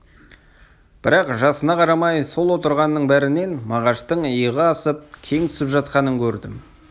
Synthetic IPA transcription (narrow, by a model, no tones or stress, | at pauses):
b̥ɪɾɑqʒɑsənɑqʰɑɾɑmɑjso̞lˠwo̞t̪əɾʁɑnːəɴbæɾɪne̞nmɑʁɑʃt̪əɴəjəʁəɑsəp̚kʲʰe̞ŋt̪ʰʏ̥sɪpʒɑt̪qɑnəŋkʲʰɵɾd̪ɪm